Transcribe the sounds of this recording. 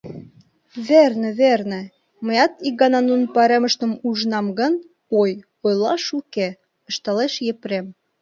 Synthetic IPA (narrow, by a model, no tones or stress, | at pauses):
βernĕβernĕ | mə̆jɑt̪ik̚ɡɑnɑnunpɑɾemə̆ʃt̪ə̆muʒnɑmɣə̆n | oj | ojlɑʃuke | ə̆ʃt̪ɑleʃjepɾem